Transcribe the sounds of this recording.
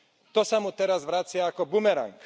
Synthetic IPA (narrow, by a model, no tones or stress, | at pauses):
t̪ɔsamut̪ɛɾazʋɾat͡sɪaːkɔbumɛɾa̰ŋk